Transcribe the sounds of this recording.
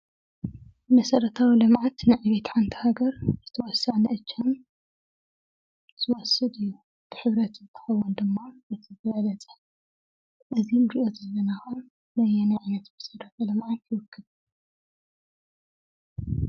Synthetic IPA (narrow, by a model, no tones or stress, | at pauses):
mɐsɐɾɐt̪ʰawilɨmʕat̪nɨʕaβet̪ʰħant̪ʰi̥haɡɐɾzɨt̪ʰɐwɔsːanɨʔɨt͡ʃːam | z̥ɨwɔsːɨd̪ɨjːu | t̪ʰɨ̥ħɨβɾɐt̪zɨt̪ʰːɐ̥xɐwːund̪ɨmːaʔɨt̪ʰɨzɐjalɐt͡sʼɐ̥ | ʔɨzimɾiʔot̪ɐlɐnaxun | lɐjːɛnajʕanɐt̪mɐsɐɾɐt̪ʰɐlɨmʕajkʰɨwɔkʰːɨβ